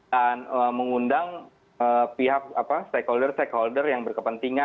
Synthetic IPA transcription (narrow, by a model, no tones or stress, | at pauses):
danəməŋundaŋ | əpiɦak̚apast̪ekholdərst̪ekholdərjaŋbərkəpənt̪iŋa